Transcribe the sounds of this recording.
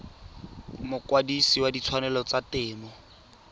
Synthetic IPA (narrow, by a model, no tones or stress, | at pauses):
mʊkwadisiwadit͡sʰwanɛlɔt͡satɪːmɔ